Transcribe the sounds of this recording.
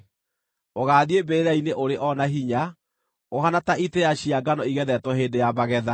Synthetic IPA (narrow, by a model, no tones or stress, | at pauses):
oɣaːðiebeɾaineʔoɾeʔɔnaɦiɲa | oɦanataʔitejaɕiaɡanɔiɣɛðɛtwɔɦeːndejaβaɣɛða